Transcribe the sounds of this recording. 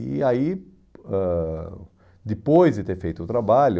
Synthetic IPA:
ɪ̰ai | ɛ | d̪ɪpojzd̪ɪt̪eɾfejt̪ʊt̪ɾabaʎʊ

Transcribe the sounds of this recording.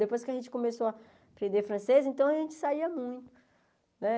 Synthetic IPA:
d̪epojskɪɐʒẽnt͡ʃɪ̥kõmesoɐ | pɾẽnd̪efɾɐ̃sezẽnt̪ɐ̃w̃ɐʒẽnt͡ʃɪ̥saiɐmũj̃t̪ʊ̥ | nɛ

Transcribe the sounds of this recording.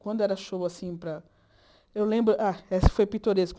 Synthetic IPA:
kwɐ̃nd̪ʊɛɾɐʃoasĩpɾɐ | ewlẽmbɾʊʔaesɪ̥fojpĩt̪oɾesk

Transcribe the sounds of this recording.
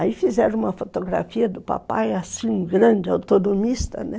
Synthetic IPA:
aifizɛɾɐ̃ũmɐfot̪oɡɾa̰fiɐd̪ʊpa̰pa̰jasĩɡɾɐ̃d͡ʒɪawt̪onomist̪ɐ̰nɛ

